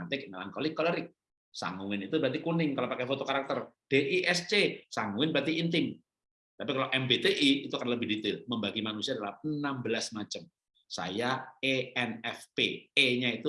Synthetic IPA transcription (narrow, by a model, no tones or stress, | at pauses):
at̪ɪk̚melaŋkolɪkːoləɾɪk̚ | sa̰ŋuwɪnit̪ubat̪̬ikunɪŋkalopakɛfot̪okaɾak̚t̪ərd̥eʔiʔɛst͡ʃesaŋuwɪnbɾat̪iint̪ɪŋ | t̪apikalaʔɛmbet̪eʔiːt̪ukanaləbɪhdit̪ɪlməmbaɡimanusiadalaənambəlasmat͡ʃəm | sa̰jaeɛnɛfpḛeɲait̪u